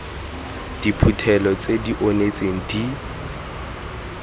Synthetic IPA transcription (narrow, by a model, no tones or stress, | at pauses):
d̥ipʰutʰɛlɔt͡sʼediʔonet͡sʼeŋ̩di